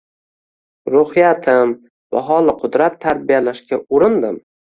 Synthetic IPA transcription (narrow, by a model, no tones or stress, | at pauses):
ɾʊhɪjat̪ʰɪm | va̰ɦɒlˠɪqʰʊd̪ɾat̪ʰːaɾbijalaʃkʲaʊɾɪnd̪ɪm